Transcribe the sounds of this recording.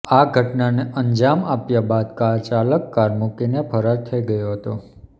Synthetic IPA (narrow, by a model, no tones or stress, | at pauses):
aɡʱəʈnaneʔəɲd͡ʒamapjabad̪kaɾt͡ʃaləkːaɾmukinepʰəɾaɾt̪ʰəiɡəjoɦət̪o